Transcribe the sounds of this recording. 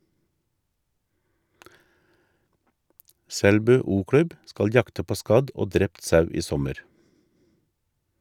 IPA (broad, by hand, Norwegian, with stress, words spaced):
ˈsɛlbʉː ˌuːˈkɽʉb ˈskɑl ˈjɑktə ˈpoː ˈskɑd ˈoː ˈdɾɛpt ˈsɑʉ ˈiː ˈsɔməɾ